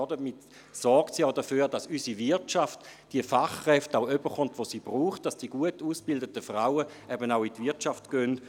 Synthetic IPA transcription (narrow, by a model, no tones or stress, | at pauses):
ɔdəmit | sɔɾktsiaʊdafyːʁdasysivɪɐtt͡ʃaftd̥iəfaχʁɛftaʊøbəχɔntʋosiːb̥ʁuːχt̚d̥asd̥iɡ̥uətuːsb̥ɪldətəfʁaʊə | ʔɛbənaʊitvɪɐtt͡ʃaftɡ̥ønt